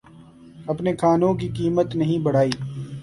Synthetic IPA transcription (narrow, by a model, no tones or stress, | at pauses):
ɐpnekʰaːnõk̬ikiːmət̪nɐɦĩbɐɽ̤aːiː